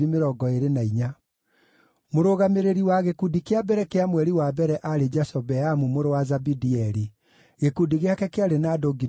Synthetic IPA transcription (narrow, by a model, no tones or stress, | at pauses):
imeɾɔːɡɔeɾenaiɲa | moɾoɣameɾeɾiwaɣekudikeabɛɾɛkeamwɛɾiwabɛɾɛʔaɾed͡ʒasɔbɛamumoɾowazabidiɛɾi | ɣekudiɣeakɛkeaɾenadoɡi